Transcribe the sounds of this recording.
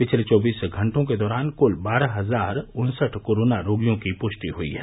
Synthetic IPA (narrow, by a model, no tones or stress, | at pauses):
pɪt͡ʃʰlet͡ʃɔːbiːsɡʱɐ̃ɳʈõked̪ɔːɾaːnkʊlbaːɾaɦɐzaːɾʊnsəʈʰkoːɾoːnaɾoːɡijõkipʊʃʈ̪iɦʊḭɦɛ̰